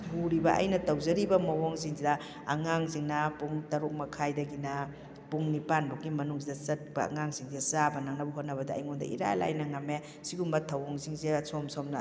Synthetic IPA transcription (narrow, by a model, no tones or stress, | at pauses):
huɾibɐʔɐ̰jnɐtɐwzɐɾibɐmɐwoŋziŋzidɐ | ɐŋaŋziŋnɐpuŋtɐɾuk̚mɐkʰajdɐɡinɐ | puŋnipanbokːimɐnuŋsidɐsɐt̚bɐɐ̰ŋaŋziŋzidɐsabɐnaŋnɐbuɦot̚nɐbɐdɐɐ̰jŋondɐ̰ʔḭɾa̰la̰jnɐŋɐme | siɡumbɐtʰːɐwɔŋziŋzesomsomnɐ